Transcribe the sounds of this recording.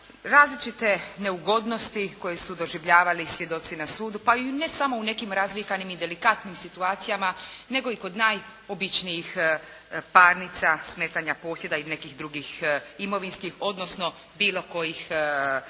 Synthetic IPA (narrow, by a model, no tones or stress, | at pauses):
ɾaːzlit͡ʃit̪e̞ne̞uɡo̞d̪no̞st̪iko̞je̞sud̪o̞ʒiʋʎaːʋalisʋje̞d̪o̞t̪sinasuːd̪upaine̞samoune̞kimɾazʋikanimid̪e̞likat̪nimsit̪uaːt̪sijamane̞ɡo̞iko̞d̪naj | o̞bit͡ʃnijix | paːɾnit̪sasmeːt̪aɲapo̞ːsje̞d̪aine̞kixd̪ɾuɡiximo̞ʋinskixo̞d̪no̞sno̞ | biːlˠo̞ko̞jix